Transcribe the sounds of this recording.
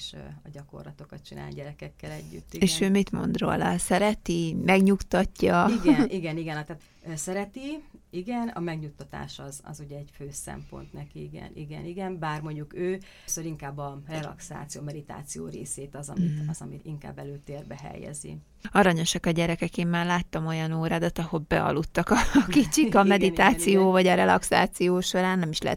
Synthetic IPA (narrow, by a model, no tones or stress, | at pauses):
ʃɒɟɒko̞̰rlɒt̪o̞kɒt̪̚t͡ʃinʔa̰ːlɟɛɾɛkɛkːɛlɛɟːy̰t̪ːieːʃøːmit̪mo̞̰nd̪ro̰ːlɒsɛɾɛt̪imɛɡɲukt̪ɒcːɒiɡɛnʔiɡɛniɡɛnɒt̪aːt̪ː | sɛɾɛt̪iiɡɛnɒ̰mɛɡɲut̪ːɒt̪a̰ːʃɒzɒ̰zuɟɛɛɟføːsɛ̰mpo̞̰nt̪nɛkiiɡɛ̰nʔiɡɛ̰niɡɛnbaːrmo̞ɲɟukøː | søɾiŋkaːbːɒrɛlɒ̰ksa̰ːt̪sijomɛd̪it̪a̰ːt̪sijo̰ːɾḛːseːt̪ɒzɒ̰iɒzɒmiiŋka̰ːbːɛløːt̪eːrbɛɦɛ̰jɛ̰zḭ | ɒɾɒɲo̞ʃɒkɒɟɛɾɛkɛkeːmːaːrlaːt̪ːɒmo̞jɒnoːɾaːd̪ɒt̪ɒho̞lbɛ̰ɒ̰lut̪ːɒkɒkit͡ʃikɒmɛd̪iaːsijoːvɒɟɒɾɛlɒksa̰ːt̪sijoːʃo̞ɾaːnːɛmiʃlɛ̰ɛ̰